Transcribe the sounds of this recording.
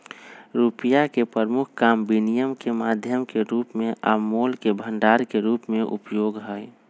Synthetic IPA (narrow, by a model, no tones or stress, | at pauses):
ɾuːpijakepɾəɾmʊkʰkaːmbinijəmkemaːd̪ʱjəmkeɾuːpmẽʔaːmoːlkebʱə̃ɳɖaːɾkeɾuːpmẽʔʊ̰pjoːɡɦɛ